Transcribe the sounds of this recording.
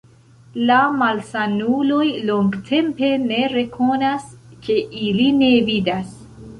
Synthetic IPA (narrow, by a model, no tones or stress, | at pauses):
lamalsanulo̞jloŋɡtʰe̞mpe̞ne̞ɾe̞kʰo̞naske̞ʔiline̞vidas